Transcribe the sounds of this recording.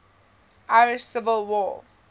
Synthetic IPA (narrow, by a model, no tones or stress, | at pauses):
ʔaɪɹɪʃsɪvəlˠwɔː